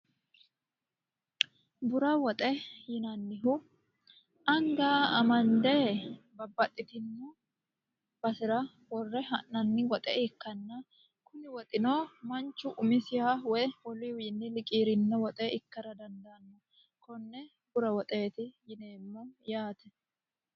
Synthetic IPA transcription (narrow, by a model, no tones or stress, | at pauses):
bʊɾɐwɔt̪ʼɛjɪnɐnːɪɦʊ | ɐŋɡaːɐmɐnd̪ɛbɐbːɐt̪ʼːɪt̪ɪnːʊ | b̥ɐsɪɾɐ | wɔrːɛɦɐnːɐnːɪwɔt̪ʼɛ̰ɪkːɐnːɐ | kʊnɪwɔt̪ʼɪnoːmɐnt͡ʃːʊʔʊmɪsɪhawɔjwɔliwinːɪlɪkʼiːɾɪnːɛwɔt̪ʼɛɪkːɐɾɐd̪ɐnd̪ɐnːɔ | kɔnːɛ | bʊɾɐwɔt̪ʼe̞ːt̪ɪjɪne̞ːmːɔjaːt̪ɛ